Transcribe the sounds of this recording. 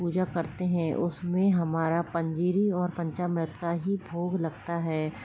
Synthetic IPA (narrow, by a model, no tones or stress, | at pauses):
uːd͡ʒakɐɾt̪eɦɛ̃ʔʊsmẽɦɐmaːɾapə̃ɲd͡ʒiːɾiɔːɾpə̃ɲt͡ʃamɾɪt̪kaɦibʱoːɡlɐɡt̪aɦɛː